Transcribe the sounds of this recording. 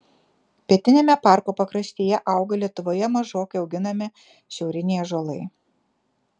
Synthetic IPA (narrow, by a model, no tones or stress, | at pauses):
pʲiɛt̪ʲɪnʲeːmʲɛpɑˑɾkoːpɐkɾɐsʲt̪ʲiːjɛʔɐˑʊɡɐlʲiɛt̪ʊʋoːjɛmɐʒoːkɐɪɒʊɡʲɪnɐmʲɪ | ʃʲɛʊɾʲɪnʲeːjʒolˠɐɪ